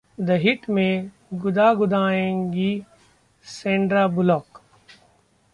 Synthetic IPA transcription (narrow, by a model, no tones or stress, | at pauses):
d̪ɐɦɪʈmẽ | ɡʊd̪aːɡʊd̪ʱaːẽːŋɡi | sẽːɳɖɾaːbʊlɔːk